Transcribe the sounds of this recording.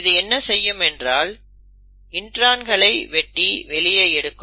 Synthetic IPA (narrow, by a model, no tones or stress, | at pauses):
ðɯɛnːɐsɛjːɯmɛndraːl | ɪndraːnɡɐɭɐɪʋɛʈːiʋɛɭɪjɐɛɽɯkːɯ